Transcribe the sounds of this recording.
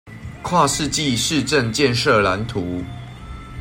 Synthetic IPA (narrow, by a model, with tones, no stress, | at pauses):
kʰwa˥˧ʂɻ̩˥˧t͡ɕi˥˨ʂɻ̩˥˧ʈ͡ʂə˥˨ŋt͡ɕjɛ˥˨nʂə˥˩la˨˦nt̪ʰu˨˦